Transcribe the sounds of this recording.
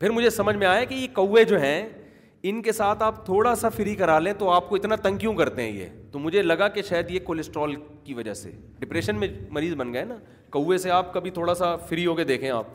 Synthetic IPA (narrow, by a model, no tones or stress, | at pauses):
pʰɪɾmʊd͡ʒʱesɐməd͡ʒʱmẽaːjakijekɐwːed͡ʒoːɦɛ̃ | ɪnkesaːt̪ʰaːpt̪ʰoːɽasafɪɾikɐɾaːlẽt̪oaːp̚koɪt̪nat̪ɐ̃ŋkjũkɐɾt̪eɦɛ̰̃jḛːt̪omʊd͡ʒʱelɐɡakeʃaːjəd̪jekoːlɪsʈɾɔːlkiʋɐd͡ʒa̰sḛ | ɖɪpɾeːʃənmẽmɐɾiːzbɐnɡəɛnaː | kɐːeseaːp̚kɐbʱit̪ʰoːɽasafɪɾiɦoːked̪eːkʰẽa̰ːp̚